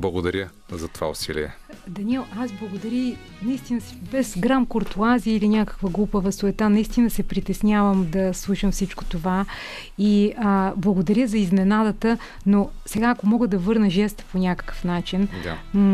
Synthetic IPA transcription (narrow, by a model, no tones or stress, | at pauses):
blˠɐɡod̪ɐɾʲə | zɐt̪ova̰ʊ̰silḭɛ̰ | d̪ɐniɛlˠazblˠɐɡod̪ɐɾʲi | nɐist̪inəsbɛzɡɾamkoɾt̪uaziilinʲakə̥kvəɡlˠupəvɐsoɛt̪anɐist̪inəsɛpɾit̪ɛsnʲavəmd̪ɐslˠuʃɐmfsit͡ʃko̥t̪ova | iəblˠɐɡod̪ɐɾʲəzɐizmɛnad̪ət̪ə | nosɛɡaːkomɔɡəd̪ɐvɤɾnəʒɛst̪ə̥ponʲakə̥kə̥fnat͡ʃind̪a̰